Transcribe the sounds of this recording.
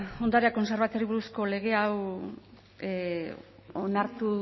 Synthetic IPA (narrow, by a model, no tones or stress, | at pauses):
o̞nd̪aɾeako̞nse̞ɾβat̪eɾiβuɾusko̞le̞ɣ̞e̞aw | onaɾt̪u